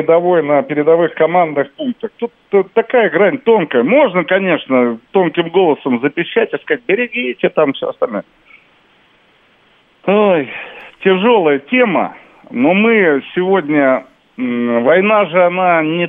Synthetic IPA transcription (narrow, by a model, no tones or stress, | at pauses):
ɪd̪ɐvo̞jnəpʲɪɾʲɪd̪ɐvɨxkɐmand̪nɨxpunk̚t̪əxt̪ut̪t̪ːɐkajəɡɾanʲt̪o̞nkəjəmo̞ʐnəkɐnʲe̞ʂnət̪o̞nkʲɪmɡo̞lˠəsəmzəpʲɪɕːætʲɪskɐat̚ʲbʲɪɾʲɪɡʲitʲɪt̪amfsʲo̰ɐst̪ɐlʲnoj | ojtʲɪʐo̞lˠəjətʲe̞mə̰ | no̞mɨsʲɪvo̞dʲnʲə | vɐjnaʐɨɐnanʲɪ